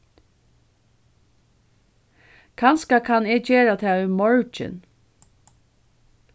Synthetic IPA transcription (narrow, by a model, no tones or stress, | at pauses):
kʰɑnskɑkʰɑneːt͡ʃeːɾɑt̪ʰæːʉːmɔɹt͡ʃɪ̰n